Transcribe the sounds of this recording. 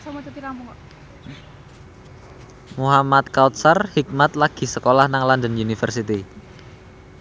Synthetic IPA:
samat͡ʃut̪iɾampuŋ | muɦamat̪kawt̪̚sərhik̚mat̪̚laɡ̥i̤səkolahnaŋlandənunifərsit̪i

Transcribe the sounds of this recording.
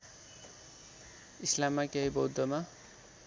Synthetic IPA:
islamːakeɦibʌwd̪ʱʌma

